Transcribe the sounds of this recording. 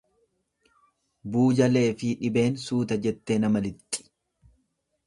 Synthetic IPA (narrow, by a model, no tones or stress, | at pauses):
buːd͡ʒɐle̞ːfɪᶑɪbe̞ːnsuːt̪ɐd͡ʒɛt̪ːe̞ːnɐmɐlɪt̪ʼːɪ̥